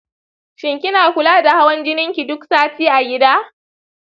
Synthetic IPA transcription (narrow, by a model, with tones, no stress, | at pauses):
ʃɪ˨ŋkʲɪ˦naː˨kʷʊ˦laː˦da˨ha˦wɐ˦nd͡ʒɪ˦nɪ˦ŋkʲi˨dʊ˦ksaː˦tiː˦ʔa˨ɡʲɪ˦daː˦